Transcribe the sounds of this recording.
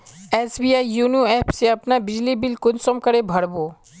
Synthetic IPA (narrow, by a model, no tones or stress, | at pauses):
ɛːsbiːaːijuːnjuɛːpseɐpnabɪd͡ʒlibɪlkʊnsɔmkəɾebʱɐɽboː